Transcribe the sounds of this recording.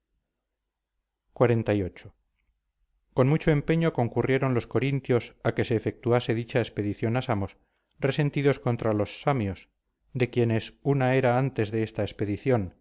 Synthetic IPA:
kwaɾe̞nt̪ajo̞t͡ʃo̥ | ko̞nmut͡ʃo̞e̞mpe̞ɲo̞ko̞ŋkurje̞ɾo̞nlo̞sko̞ɾint̪jo̞sake̞se̞ːfe̞k̚t̪uase̞ðit͡ʃaespe̞ðiθjo̞nasamo̞s | re̞se̞nt̪iðo̞sko̞nt̪ɾalo̞sːamjo̞s | d̪e̞kje̞ne̞sunae̞ɾaant̪e̞zðe̞est̪aespe̞ðiθjo̞n

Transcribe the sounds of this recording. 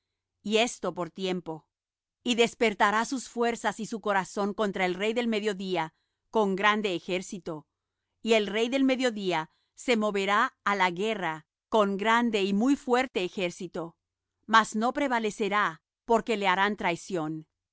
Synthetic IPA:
ie̞st̪o̞po̞ɾt̪je̞mpo̞ | iðe̞spe̞ɾt̪aɾasusfwe̞ɾsasisuko̞ɾaso̞ŋkont̪ɾae̞lre̞jðe̞lme̞ðjo̞ðia | ko̞ŋɡɾand̪e̞ːxe̞ɾsit̪o̞ | ie̞lrejðe̞lme̞ðjo̞ðia | se̞mo̞βe̞ɾaːlaɣe̞ra | ko̞ŋɡɾand̪e̞imujfwe̞ɾt̪e̞ːxe̞ɾsit̪o̞ | mazno̞pɾe̞βale̞se̞ɾa | po̞ɾke̞le̞aɾant̪ɾajsjo̞n

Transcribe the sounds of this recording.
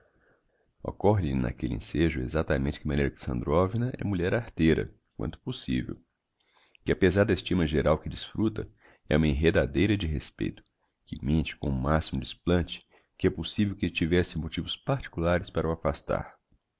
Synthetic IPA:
o̰kɔɦɪna̰kelɪḛ̃seʒʊḛzat̪amẽntt͡ʃɪ̥kɪmɐ̃neɾlɐksɐ̰̃nd̪ɾɔvinɐʔɛ̰muʎɛɾaɾt̪ejɾɐ̰ | k̚wɐ̰̃nt̪ʊ̥posḭvḛw | kɪapezaɾd̪ɐest͡ʃĩmɐʒeɾawkɪd͡ʒisfɾut̪ɐ̰ | ɛũmɐĩɦed̪ad̪ejɾɐd͡ʒɪɦespḛjt̪ʊ̥ | kɪmẽnt͡ʃɪ̥kõʊmasimʊd͡ʒɪisplɐ̃t͡ʃɪ̥ | kɪɛposivewkɪt͡ʃivɛsɪmot͡ʃivʊspaɾt͡ʃi̥kulaɾɪspaɾɐwafast̪a̰ɾ

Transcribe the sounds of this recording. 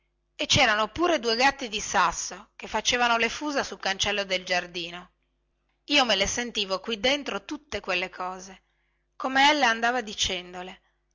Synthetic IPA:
et͡ʃɛːɾanopuːɾed̪uːeɡat̪ːid̪isasːok̟efːat͡ʃeːvanolefuːzasulkant͡ʃɛlːod̪eld͡ʒard̪iːno | iːomelesent̪iːvokwid̪ːent̪ɾot̪ut̪ːekwelːekʰɔːze | komeɛlːaand̪aːvad̪it͡ʃɛnd̪ole

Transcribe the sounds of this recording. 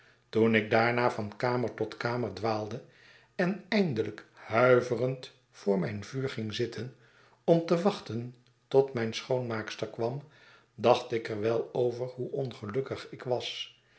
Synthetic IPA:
tunɪɡ̚daːɹnaːvɑnkaːməɹtɔtkaːməɹdʋaːlˠdə | ɛnɛjndələkhœɥvərənt | fʊːɹmɛjnvyːɹχɪŋzɪtʰən | ɔmtəʋɑχtən | tɔtmɛjnsχownmaːkstəɹkʋɑm | dɑχtɪkəɹʋɛlˠowvəɹɦuʔɔnχəlɵkəχɪkʋɑs

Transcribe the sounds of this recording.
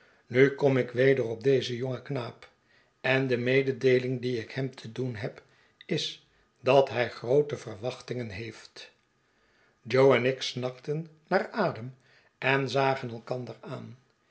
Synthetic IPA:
nykɔmɪkʋejdərɔb̚dejzəjoŋəknaːp | ɛndəmejdədejlɪŋdiɪkhɛmt̪ʰədunɦɛp | ɪs | dɑtɦɛjχrowtəvərʋɑχtɪŋənɦejft | d͡ʒowɛnɪksnɑktənː | aːraːdəm | ʔɛnzaːχənɛlˠkɑndəraːn

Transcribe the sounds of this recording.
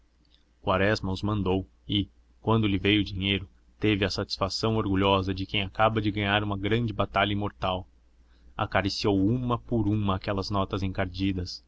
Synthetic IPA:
kwaɾɛzmɐʊzmɐ̃nd̪ow | ɪ | kwɐ̃nd̪ʊlɪvejʊd͡ʒiɲejɾʊ | t̪evɪɐsat͡ʃi̥sfasɐ̃w̃oɾɡuʎɔzɐd͡ʒɪkẽj̃akabɐd͡ʒɪɡɐ̃ɲaɾũmɐɡɾɐ̃nd͡ʒɪbat̪aʎɐĩmoɾt̪aw | a̰kaɾisiowũmɐpʊɾũmɐːkɛlɐznɔt̪ɐzẽŋkaɾd͡ʒid̪ɐs

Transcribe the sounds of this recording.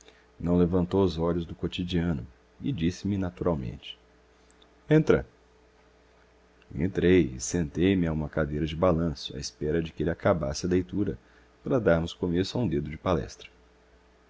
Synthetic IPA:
nɐ̃w̃levɐ̃nt̪owʊzɔʎʊzd̪ʊkot͡ʃid͡ʒiɐ̃nʊ̰ | ɪd͡ʒisɪmɪnat̪uɾawmḛ̃nt͡ʃɪ̥ | ẽnt̪ɾɐ̰ | ḛ̃nt̪ɾejɪ̰sẽnt̪ejmɪaũmɐkad̪ejɾɐd͡ʒɪbalɐ̃sʊa̰ɪspɛɾɐd͡ʒɪkɪelɪakaba̰sɪɐlejt̪uɾɐ | paɾɐd̪aɾmʊskomesʊaũd̪ed̪ʊd͡ʒɪpalɛ̰st̪ɾɐ̥

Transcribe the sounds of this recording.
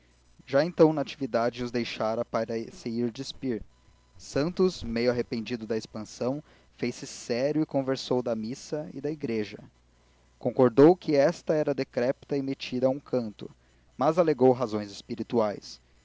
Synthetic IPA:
ʒaẽnt̪ɐ̃w̃nɐat͡ʃivid̪ad͡ʒɪʊzd̪ejʃaɾɐpaɾɐseiɾd͡ʒɪspiɾ | sɐ̃nt̪ʊsmejʊaɦepẽd͡ʒid̪ʊd̪ɐespɐ̃sɐ̃w̃ | fejsɪsɛɾjʊɪkõveɾsowd̪ɐmisɐɪ̰d̪ɐiɡɾeʒɐ̰ | kõkoɾd̪owkɪɛst̪ɐɛɾɐd̪ekɾɛpt̪ɐɪmet͡ʃid̪ɐũkʰɐ̃nt̪ʊ̰ | mɐzaleɡowɦazõj̃zɪspiɾit̪uajs

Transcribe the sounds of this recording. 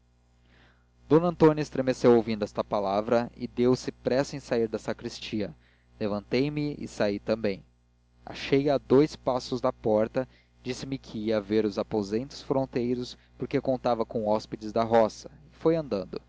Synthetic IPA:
d̪õnɐɐ̃nt̪õnɐɪst̪ɾemesewowvĩnd̪ʊɛst̪ɐpalavɾɐɪ̰d̪ewsɪpɾɛsʊẽj̃saiɾd̪ɐsakɾist͡ʃiɐ | levɐ̃nt̪ejmɪɪ̰sait̪ɐ̃mbẽj̃ | a̰ʃejɐd̪ojspasʊzd̪ɐpɔɾt̪ɐ | d͡ʒisɪmɪkʰiiɐveɾʊzapozẽnt̪ʊ̥sfɾõt̪ejɾʊs | pʊɾkekõnt̪avɐkõɔsped͡ʒɪzd̪ɐɦɔsɐ̥ɪfojɐ̃nd̪ɐ̃nd̪ʊ

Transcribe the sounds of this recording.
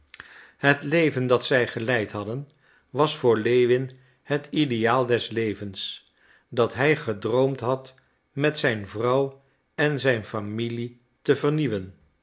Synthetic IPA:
ɦətlejvəndɑtsɛjχəlɛjtɦɑdən | ʋɑsfʊːɹlejʋɪn | ɦətidejaːlˠdɛslejvəns | dɑtɦɛjχədrowmtɦɑt | mɛtsɛjnvrɑw | ɛnzɛjnfamili | təvəɹniʋən

